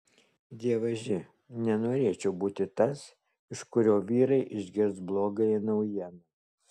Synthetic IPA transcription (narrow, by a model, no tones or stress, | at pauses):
d̪ʲiɛʋɐʒʲɪ | nʲɛnoːɾʲeːt͡ʃʲɛʊbuːt̪ʲɪt̪ɐs | ɪʃkʊɾʲoːʋʲiːɾɐɪʔɪʒʲɡʲɪɾsblˠoːɡɐɪɪnɐʊjiɛnɐ